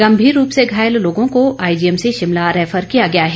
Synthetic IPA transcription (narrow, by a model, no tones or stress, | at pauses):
ɡɐmbʱiːɾːuːpseɡʱaːjəlloːɡõkoʔaːɪd͡ʒiːɛmseʃɪmlaɾɛːfəɾkijaɡɐjaɦɛː